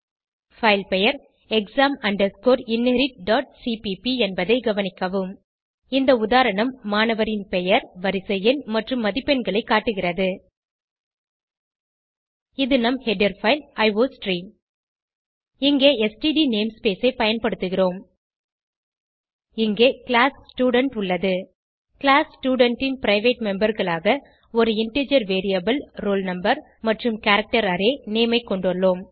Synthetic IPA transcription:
fɐɪlpɛjɐɾ | ɛksaːmɐɳɖɐɾskoːɾɪnːɛɾɪʈ̚ɖaːʈ̚siːpipiɛnbɐðɐɪɡɐʋɐnɪkːɐʋɯm | ɪnd̪ɐʊðaːɾɐɳɐmːaːnɐʋɐɾɪnpɛjɐɾʋɐɾɪsɐjɪnmɐʈrɯmːɐðɪpːɛnɡɐɭɐɪkːaːʈːɯɣɪrɐðɯ | ɪðɯnɐmhɛɖɐɾfɐɪlɐɪʋoːsʈriːm | ɪŋɡeːɛsʈiɖiːneːmspeːsɐɪpɐjɐnpɐɽɯt̪ːɯɣɪroːm | ɪŋɡeːkɪɭaːssʈjuːɽɐɳʈʊɭːɐðɯ | kɪɭaːssʈjuːɽɐɳʈɪnpɪɾɐɪʋeːʈmɛmbɐɾɣɐɭaːɣɐ | ɔɾɯɪɳʈeːd͡ʒɐɾʋeːɾijɐbɐlɾoːlnɐmbɐɾ | mɐʈrɯmkaːɾɐk̚ʈɐɾɐːɾeːneːmɐɪkːɔɳɖɐɭːoːm

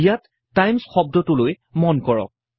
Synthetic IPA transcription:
jatː | ajmsxɔb̚dɔtʊloj | mɔnkɔɹɔ̰k̚

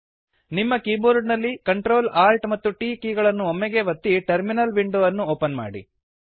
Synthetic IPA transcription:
nimːɐkiːboːɾɖnɐlːikɐɳʈɾo̞ːlaːlʈmɐt̪ːuʈiːkiːɡɐɭɐnːuomːɛɡe̞ʋɐt̪ːiʈɐɾminɐlʋiɳɖuːʋɐnːuoːpɐnma̰ːɽḭ

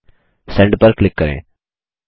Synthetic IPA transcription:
sɛ̃ɳɖpəɾkːlɪkːəɾḛ̃ː

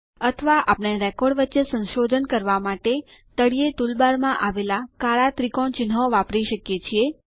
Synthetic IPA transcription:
ət̪ʰəʋaʔapɳeɾɛkɔɖʋətːʃesə̃nʃod̪ʱənkəɾʋamaʈe | t̪əɽijet̪ulbaɾmãʔaʋelakaɭat̪ɾikoɳt͡ʃɪnɦoʋapɾiʃəkjet͡ʃʰie

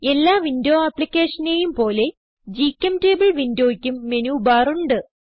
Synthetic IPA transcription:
e̞lːaːʋindo̞ːɐpːlikʲːeːʂɐnejumpo̞ːle̞ | d͡ʑikʲːɐmte̞ːbiɭʋindo̞ːikʲːumːe̞nuːbaːruɳɖɨ

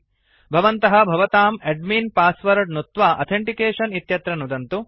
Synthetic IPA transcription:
bʱɐʋɐnt̪ɐɦɐ̆bʱɐʋɐt̪aːmeɖmiːnpaːsʋɐɾɐɖnut̪ʋaːʔɐ̰t̪ʰeɳʈikeːʂɐnit̪jɐt̪ɾɐnud̪ɐnt̪u

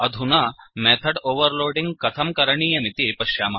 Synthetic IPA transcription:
ɐd̪ʱunamɛt̪ʰɐɽoːʋəɾloːɖiŋɡkɐt̪ʰɐmkɐɾɐɳiːjɐmit̪ipɐɕjaːmɐ

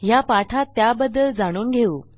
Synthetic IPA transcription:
japaʈʰat̪ːjabəd̪əld͡zaɽ̃uːnɡʱeuː

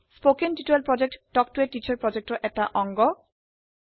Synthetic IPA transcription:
spokenʈiʈelpɾɔd͡ʑek̚ʈɖɔk̚ʈueɾʈit͡ɕʰaɾpɾɔd͡ʑek̚ʈoʔɛk̚ʈaʔɔŋɡo

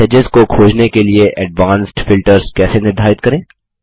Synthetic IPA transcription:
ed͡ʒɪzkokʰoːd͡ʒnekelieʔɛɖʋaːnsʈfɪlʈəɾzkɛːsenɪɾd̪ʱaːɪt̪̚kɐɾẽː

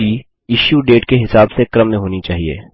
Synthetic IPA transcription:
iː | ɪʃjuɖeːʈkeɦɪsaːbsekɾəmːẽɦoːnit͡ʃaːɦiḛː

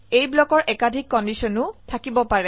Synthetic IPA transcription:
ejblɔkɔɹʔɛkadʱikːɔndisɔnʊtʰakibɔpaɹɛ

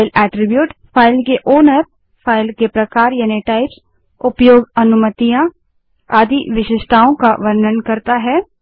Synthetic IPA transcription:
ɪlɛːʈɾɪbjuːʈfaːɪlkeʔoːnəɾ | faːɪlkepɾɐkaːɾjaːniʈaːɪps | ʊpjoːɡɐnʊmət̪ijã | aːd̪ʱiʋɪʃɪʃt̪ʰaːõkaʋɐɾnənkɐɾt̪aɦɛː

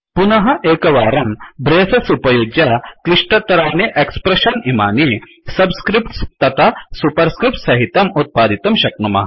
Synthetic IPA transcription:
punɐɦɐʔeːkɐʋaːɾɐmbɾeːsɐsupɐjuːd͡ʒjɐkliʂʈɐt̪ɐɾaːneʔekspɾeʃɐnimaːni | sɐbskɾipʈst̪ɐt̪ʰɐsupɐɾskɾɪp̚ʈsɐɦit̪ɐmut̪̚paːd̪ʱit̪ɐmʃɐknumɐ̰ɦɐ

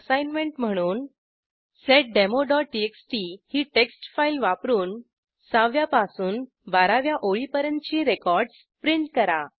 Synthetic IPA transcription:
sajnmeɳʈm̤əɽ̃uːn | seʈ̚ɖemoɖɔʈieksʈihiːʈeksʈfailʋapɾuːn | saʋjapasuːn | baɾaʋjaʔoɭipəɾənt͡ɕiɾekɔɾɖs | pɾiɳʈkəɾa

